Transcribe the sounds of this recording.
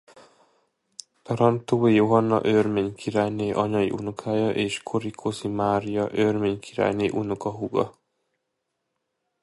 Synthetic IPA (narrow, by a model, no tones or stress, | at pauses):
t̪ɒɾɒnt̪oːjoɦɒnːɒ̰ʔørmeːɲkʰiɾaːjneːʔɒɲɒḭʔunukʰaːjɒʔeːʃkʰoɾikʰozimaːɾijɒʔørmeːɲkʰiɾa̰ːjneːʔunukɒɦuɡɒ̰